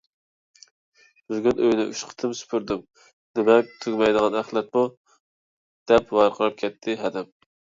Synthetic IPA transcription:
b̥ɪzɡʲynʔøjnɪʔyʃqʰə̥t̪ʰɨmsy̥pʰyɾd̪ɪm | nɪmɛk̚ʲt̪ʰyɡʲmɛjd̪ɨʁɑnæχlˠɛt̪̚mu | d̪̥ɛpwɑjqʰəɾɨp̚kʲʰɛt̪ʰːɪɦɛd̪ɪm

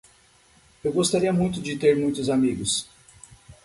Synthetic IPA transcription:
ewɡost̪aɾiɐmũj̃t̪ʊd͡ʒɪt̪eɾmũj̃t̪ʊzamiɡʊs

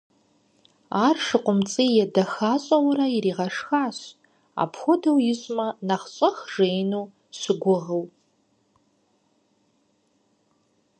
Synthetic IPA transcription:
aːrʂɨqʷʼʊmt͡sʼiːjɛdɐxaːɕʼɐwɾɐiriːʁɐʂxaːɕ | a̰pʰxʷʊdɐwjɪɕʼmɐnɐχɕʷʼɐxʐejnuː | ɕɨɡʷʊʁəw

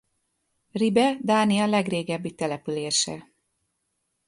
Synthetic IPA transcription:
ribɛd̪aːnijɒlɛɡreːɡɛbːit̪ɛlɛpyleːʃɛ̰

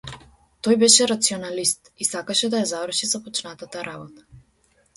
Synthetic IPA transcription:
t̪ɔjbɛʃɛɾat̪siɔnalist̪isakaʃɛd̪ajazavər̩ʃizapɔt͡ʃnat̪at̪aɾabɔt̪ḁ

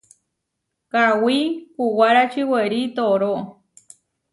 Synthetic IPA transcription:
kawikuwaɾat͡ʃiweɾit̪oɾoʔ

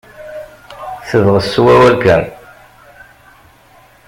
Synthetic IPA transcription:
θəðʁəsːuwæwælkæn

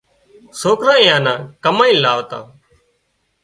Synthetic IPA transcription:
soːkɾãːẽːãːnãːkəmaːĩːlaːʋt̪ã̰ː

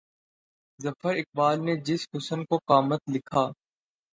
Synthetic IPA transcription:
zɐfəɾɪk̚baːlned͡ʒɪshʊsənkoqaːmət̪lɪkʰaː

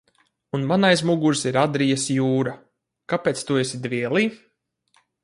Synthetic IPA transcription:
unmanajs̬muɡuɾsiɾad̪ɾijasjuːɾa | kapeːt̪t̪uɔesid̪vʲiɛlˠiː

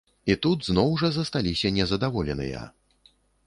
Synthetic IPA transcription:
it̪ud̪znɔwʐɐzɐst̪alʲisʲɐnʲɛzɐd̪avɔlʲɛnɨ̰jɐ̰

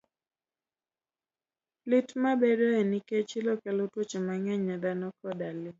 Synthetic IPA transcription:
lɪtmabedoeniket͡ʃilɔkɛlotwot͡ʃemaŋɛɲadanɔkɔdalɪ

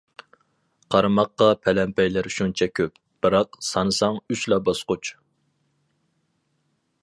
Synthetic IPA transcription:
qʰɑɾmɑqːɑpʰɛlɛmpʰɛjlæɾʃunt͡ʃʰɛkʲʰøp̚ | b̥ɨɾɑqsɑnɨsɑŋyt͡ʃlɑbɑsqʊt͡ʃ

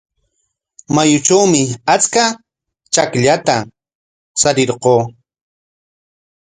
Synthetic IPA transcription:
majʊt͡ʃawmɪat͡ska | t͡ʃakʎat̪a | saɾɪɾqoː

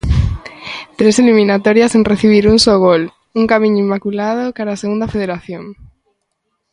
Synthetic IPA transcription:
t̪ɾeselimĩnat̪ɔɾjasenreθiβ̞iɾuŋsoɣol | uŋkamĩɲʊimːakulað̞okaɾaːseɣund̪ɐfeð̞eɾaθjoŋ

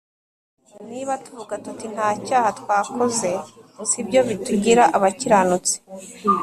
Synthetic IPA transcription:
niːβatu̥vuɡatutin̥haːcaːhatkwaːkoze̞sibjo̞βituɟiɾaʔaβaciɾanut͡si̥

